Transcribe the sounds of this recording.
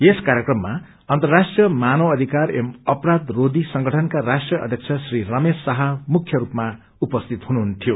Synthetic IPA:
jeskaɾjekrʌmːa | ʌnt̪ʌrrasʈrijʌmanʌwʌd̪ʱikarḛmʌpɾad̪rod̪isʌŋɡʌʈʰʌnkaɾasʈrjʌʌ̰d̪ʱjʌkt͡sʰʌsrirʌmesːaɦʌmukʰːjʌɾupma | upʌst̪ʰit̪ɦunuɦunt̪ʰijo

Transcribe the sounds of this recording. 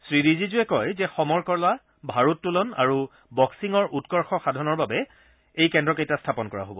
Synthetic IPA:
sɹiɹizizʊɛkɔjzɛxɔmɔɹkɔɹla | bʱaɹutːulɔna̰ɹu | bɔksiŋɔɹutkɔɹxɔxadʱɔnɔɹbabɛ | ejkɛndɹɔkejtastʰapɔnkɔɹa̰ɦobɔ

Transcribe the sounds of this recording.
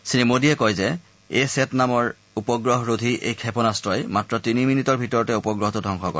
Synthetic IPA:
sinemodiɛkɔjzɛ | esɛtnamɔɹ | upɔɡɹɔɦɹodʱiʔḛjkʰɛpɔnastɹɔjmatɹɔtiniminitɔɹbʱitɔɹɔtɛupɔɡɹɔɦɔtudʱɔŋkxɔkɔ̰ɹ

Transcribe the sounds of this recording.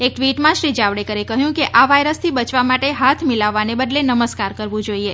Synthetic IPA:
ek̚ʈʋiʈmãʃɾid͡ʒaʋɽekəɾekəɦjũkeʔaʋajɾəst̪ʰibət͡ʃʋamaʈeɦat̪ʰmilaʋːanebəd̪lenəməskaɾkəɾʋũd͡ʒoie

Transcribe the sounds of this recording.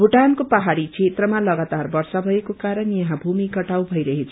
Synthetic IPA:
bʱuʈankopaɦaɽit͡sʰet̪rʌmalʌɡat̪arbʌrsʌbʱʌekokaɾʌnjʌɦãbʱumikʌʈawbʱʌjɾʌɦet͡sʰ

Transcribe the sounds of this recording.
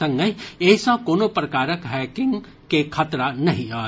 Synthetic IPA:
ɐ̃ŋɡəeːsãkoːnopɾɐkaːɾəkɦɛːkɪ̃ŋɡ | kekʰɐt̪ɾanɐɦĩaː

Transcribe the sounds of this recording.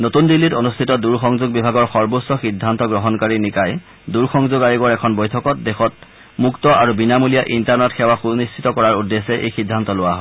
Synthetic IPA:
notundilːitonustʰitɔduɹxɔŋzuɡ̚bibʱaɡɔɹxɔɹbosːɔxidʱːantɔɡɹɔɦɔnkaɹinikaj | duɹxɔŋzʊɡajiɡɔɹɛkʰɔnbɔjtʰɔkɔt̚dexɔt̚ | muktɔʔaɹubinamulijaʔintaɹnɔtxʰɛwaxunistʰitɔkɔɹaɹudːesɛʔḛjxidʱːantɔlʊwaɦɔ

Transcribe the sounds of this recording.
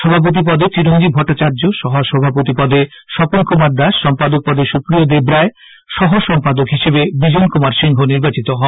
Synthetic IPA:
ʃɔbʱap̬ot̪̬ip̬ɔd̪et̪ɾiɾoŋɡibʱɔʈːat͡ɕaɾd͡ʑoʃɔɦoʃɔbʱapot̪ipɔd̪e | ʃɔponkomaɾd̪aʃːɔmpad̪ok̚pɔd̪eʃukɾiod̪ebɾae | ʃɔɦoʃɔmpad̪okɦiʃebebid͡ʑonkomaɾʃiŋɡʱoniɾbat͡ɕit̪oɦɔ

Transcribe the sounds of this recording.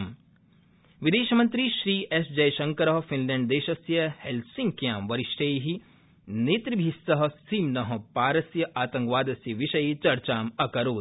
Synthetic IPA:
m | ʋid̪eːʃɐmɐ̃nt̪ɾiʃɾiːʔesd͡ʒɐjʃɐ̃ŋkɐɾɐɦɐfinlɛ̃ːɳɖd̪eːʃɐsjɐhelsĩŋɡkjaːmʋɐɾɪʃʈʰeːɦi | neːt̪ɾibʱisɐɦɐ̆siːmnɐɦɐ̃̆paːɾɐsjɐʔaːt̪ɐ̃ŋkʋaːd̪ɐsɐʋiʃɐjit͡ʃɐɾt͡ʃaːmɐkɐɾoː

